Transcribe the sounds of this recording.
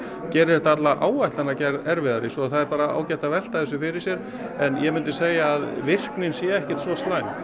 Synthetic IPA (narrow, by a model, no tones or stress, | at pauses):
cɛːɾɪɛ̥t̪at̪laʔaːwajht̪lanacɛɛɾvɪðaɾɪsɔθaðɛɾpaːɾaa̰ːwcɛjht̪avɛl̥t̪aðθɛsʏfɪɾɪɾsjɛɾ | ɛnjɛmʏnt̪ʏseːjaːðvɪr̥knɪnsjɛɛhcɛ̥t̪svɔst̪laːjm